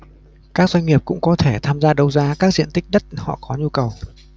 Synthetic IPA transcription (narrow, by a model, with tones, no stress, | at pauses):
kaː˦˥k̚zwa˧jŋ̟ŋi˨˩əp̚kʊ̰˧˥ŋ͡mkɔ˨˦t̪ʰe˧˩t̪ʰaː˧mzaː˧ɗə˨˧˩wzaː˧kaː˦˥k̚zḭ˧˨ənt̪i˦˥k̚ɗə˦˥t̚hɔ̰˧˨kɔ˨˦ɲu˧kə˨˩w